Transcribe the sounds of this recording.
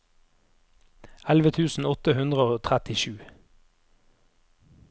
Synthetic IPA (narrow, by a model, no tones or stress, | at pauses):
ɛlʋət̪ʰʉːsn̩ɔt̪əhʉnd̪ʁəoːt̪ʰʁæt̪ɪʃʉː